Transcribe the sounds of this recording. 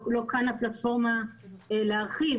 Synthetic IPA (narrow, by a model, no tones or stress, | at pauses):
lo̞kanaplat̪fo̞ʁmaleaʁχi